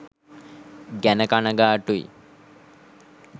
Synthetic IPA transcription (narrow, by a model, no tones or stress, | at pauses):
ɡænəkanəɡaːʈuḭ